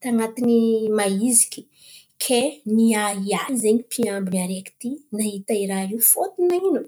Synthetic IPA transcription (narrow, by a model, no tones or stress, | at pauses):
t̪anat̪inimaizikʲi̥ | kʰeniaiazeɲipʰiambunaɾeki̥t̪inaɦit̪aiɾaɦiwfot̪inainu